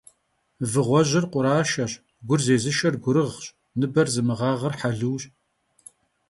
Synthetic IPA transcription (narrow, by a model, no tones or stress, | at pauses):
vɨʁʷɔʑɪrqʷʼʊɾaːʃɐr | ɡʷʊrzeːzɨʃɐrɡʷʊɾɨʁɕ | nɨbɐrzɨmɨʁɑːʁɐrħaɮɨwɕʼ